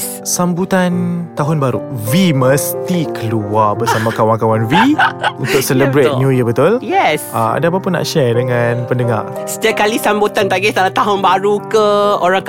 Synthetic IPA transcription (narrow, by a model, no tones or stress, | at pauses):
sambut̪ant̪aɦʊnbaɾṵviməst̪ikəluabəsamãkawaŋkawanviunt̪ʊk̚sələbɾet̪̚njujəbət̪ʊljɛsʔa̰a̰dapapənːa̰ʔʃɛrdəŋanpəndəŋa̰rsə̥t̪iakalisambut̪ant̪aɡist̪alat̪aɦʊnbaɾukəoɾaŋk